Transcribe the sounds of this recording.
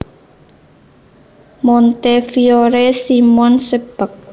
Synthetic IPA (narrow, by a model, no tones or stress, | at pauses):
mɔnt̪efioɾesimɔnseb̥ək̚